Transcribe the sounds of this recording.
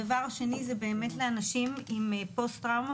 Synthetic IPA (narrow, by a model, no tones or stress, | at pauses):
avaʁʃe̞nizebe̞ːme̞tleanaʃimimpo̞stʁawma